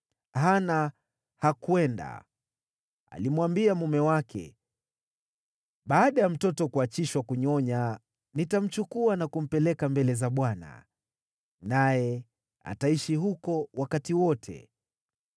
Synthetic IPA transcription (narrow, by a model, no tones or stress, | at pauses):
ɦana | hakuɛnda̰ | a̰limuwambiamumɛwakʰɛ̰ | ɓaːɗajam̩tɔtɔkuat͡ʃiʃwakuɲɔɲa | nitam̩t͡ʃukuanakum̩pɛlɛkambɛlɛzaɓwana̰ | najɛ | a̰taiʃiɦukɔwakatiwɔtʰɛ̰